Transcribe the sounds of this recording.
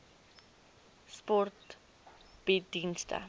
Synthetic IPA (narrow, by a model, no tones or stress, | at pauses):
spɔrt | b̥idinstə̰